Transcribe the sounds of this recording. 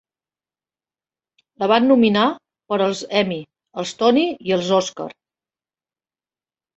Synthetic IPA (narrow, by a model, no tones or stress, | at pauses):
ləβ̞anːumina | pəɾəlˠzɛmi | əlˠst̪ɔniiəlˠzɔskə̰ɾ